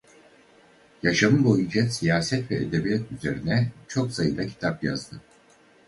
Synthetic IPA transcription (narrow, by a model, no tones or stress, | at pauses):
jaʃamɯbo̞jund͡ʒasijaːsɛt̪vɛ̰ʔed̪ebijat̪yze̞ɾinɛt͡ʃʰo̞ksajɯd̪ˠacʰi̥t̪ʰapja̰zd̪ɯ